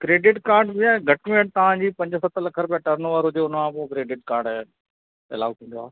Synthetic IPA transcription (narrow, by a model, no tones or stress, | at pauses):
kɾeːɖɪʈkaːɾɖbɪaːɡʱɐʈmẽːʈ̚t̪ɐʋ̤ãːd͡ʑiːpɐ̃ɲd͡ʑəsɐt̪ʰlɐkʰəɾʊpijaʈəɾnʋəɾɦʊd͡ʑeʊnmãːpokɾeːɖɪʈkaːɾɖɛ | ɪ̰la̰ːʋk̪ʰĩːn̆d̪oaː